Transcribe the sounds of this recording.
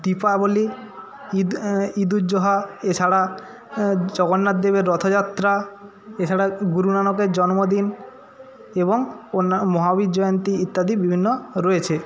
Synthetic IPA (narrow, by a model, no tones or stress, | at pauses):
d̪ipaboli | id̪ud͡ʑoɦaet͡ɕʰaɽa | d͡ʑɔɡonːad̪ebeɾːɔt̪ʰod͡ʑat̪ːɾa | et͡ɕʰaɽaɡuɾunanokeɾd͡ʑɔnmod̪in | eβoŋonmɔɦabid̪d͡ʑɔjont̪iit̪ːad̪ibibʱinːoɾɔjet͡ɕʰe